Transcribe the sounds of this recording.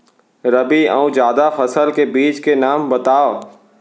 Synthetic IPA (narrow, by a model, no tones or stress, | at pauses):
ɾɐbiə̰ũd͡ʒjaːd̪afɐsəlkebiːt͡ʃkenaːmbɐt̪aːo